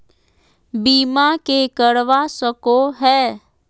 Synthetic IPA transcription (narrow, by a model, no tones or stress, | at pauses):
biːmakekəɽʋasəkoɦɛː